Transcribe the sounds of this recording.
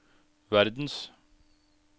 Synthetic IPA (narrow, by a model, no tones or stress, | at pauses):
ʋæɾd̪n̩s